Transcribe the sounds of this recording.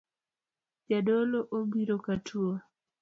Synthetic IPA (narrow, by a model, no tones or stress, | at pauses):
d͡ʒadoloʔobiɾokatʰuo